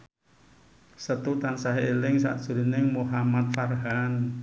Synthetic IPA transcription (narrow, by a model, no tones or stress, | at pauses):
sət̪ut̪ansaɦielɪŋsa̰ʔd̥ʒ̥uɾinɪŋmuɦamat̪̚farɦan